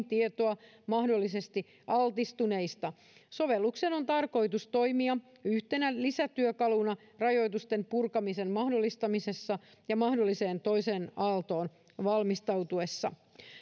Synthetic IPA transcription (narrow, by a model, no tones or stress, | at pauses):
t̪iet̪oɑ | mɑhdolːise̞st̪i | ɑlt̪ist̪une̞ist̪ɑ | so̞ʋelːukseno̞nt̪ɑrko̞ijt̪ust̪o̞jmiɑ | yht̪e̞nælisæt̪yøkɑlunɑ | rɑjo̞jt̪ust̪e̞mpurkɑmise̞mmɑhdo̞lːist̪ɑmise̞sːɑ | jɑmɑhdolːise̞ːnt̪o̞ise̞ːnɑlt̪o̞ːn | ʋɑlmist̪ɑwt̪ue̞sːɑ̰